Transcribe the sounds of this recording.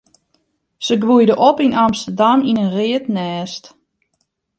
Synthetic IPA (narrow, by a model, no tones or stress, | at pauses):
səɡʋujdəʔopinamstərdaminənrɪətnɛːst